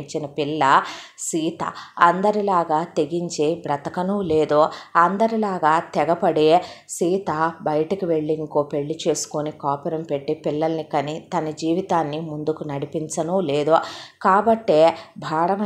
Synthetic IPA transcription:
ɲt͡ʃinɐpilːɐsiːt̪ɐ̰ɐnd̪ɐɾilaːɡaːt̪e̞ɡiɲt͡ʃeːbɾɐt̪ɐkɐnule̞ːd̪uɐnd̪ɐɾilaːɡaːt̪ɛɡɐpɐɽe̞ːsiːt̪abɐjɐʈɐkiʋe̞ɭːiŋkoːpe̞ɭːit͡ʃe̞ːsu̥konikaːpɛɾɐmpe̞ʈːipilːɐlɐnikɐnit̪ɐnɐd͡ʒiːʋit̪aːnːimund̪ukunɐɽipint͡ʃɐnule̞ːd̪ukaːbɐʈːeːbʱaːɽɐʋɐ

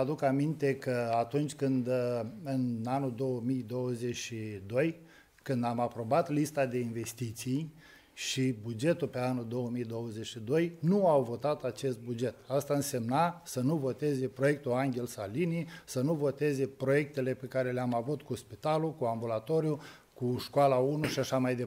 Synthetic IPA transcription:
ad̪ukamint̪e̞kəat̪unt͡ʃʲkɨnd̪ɨnanuld̪o̞wəmijd̪owəze̞ʃid̪o̞j | kɨnd̪amapɾo̞bat̪list̪ad̪e̞inve̞st̪it̪sij | ʃibud͡ʒe̞t̪ulpe̞anuld̪o̞wəmijd̪o̞wəzeʃid̪o̞jnuawvo̞t̪at̪at͡ʃe̞st̪̚bud͡ʒe̞t̪ast̪aɨnse̞mnasənuvo̞t̪e̞ze̞pɾo̞je̞k̚t̪uaŋɡʲe̞lsalinisənuvo̞t̪e̞ze̞pɾoje̞k̚t̪e̞le̞pe̞kaɾe̞leamavut̪kuspit̪alukuambulat̪o̞ɾju | kuʃkoalaunuʃiaʃamajd̪e

